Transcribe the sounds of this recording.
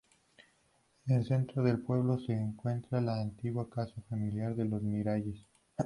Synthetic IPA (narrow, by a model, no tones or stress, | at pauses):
nelse̞nt̪ɾoðe̞lpwe̞β̞lo̞se̞ːŋkwe̞nt̪ɾalaːnt̪iɣwakasafamiljaɾðe̞lo̞zmiɾaʝes